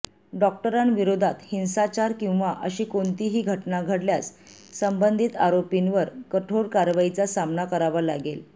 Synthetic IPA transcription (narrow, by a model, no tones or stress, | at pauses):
ɖɔk̚ʈəɾanʋiɾod̪ʱat̪hinsat͡ɕaɾkĩw̃ʋaʔəɕiːkoɳt̪iɦiːɡʱəʈnaɡʱəɽljat͡s | səmbənd̪ʱit̪aɾopinʋəɾkəʈʰoɾkaɾʋajit͡sasamnakəɾaʋalaɡel